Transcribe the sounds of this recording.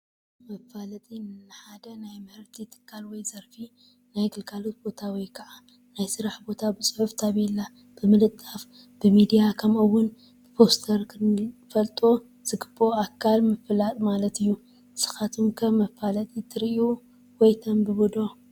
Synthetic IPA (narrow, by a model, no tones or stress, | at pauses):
mɐfalɐt̪ʼinɨɨħad̪ɐnajmɐhɨɾt̪ʰit̪ʰɨ̥kʰːalwɔjzɐɾfi | najɡɨlkʰalot̪̚bo̞t̪ʰawɔjkʰɐʕa | najsɨɾaħbo̞t̪ʰabɨsʼɨħuft̪ʰaβɛlːa | b̥ɨmɨlɨt̪ʼːaf | b̥ɨmid̪ijakʰɐmɨwːʊn | b̥ɨpʰo̞st̪ʰɐɾkʰɨnfɐlt̪ʼo | z̥ɨɡɨboakʰːalmɨfɨlat̪ʼmalɐt̪ɨjːu | sɨ̥xat̪ʰumkʰɐβmːɐfalɐt̪ʼit̪ʰɨɾu | wɔjt̪ʰɐmbɨbud̪o̞